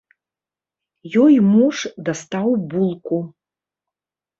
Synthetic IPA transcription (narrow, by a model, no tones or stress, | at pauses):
jɔjmuʂd̪ast̪awbulˠku